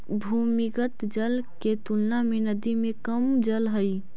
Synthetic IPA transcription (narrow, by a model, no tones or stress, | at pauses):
bʱumiɡət̪d͡ʒəlket̪ulnamenəd̪imekəmd͡ʒəlɦəj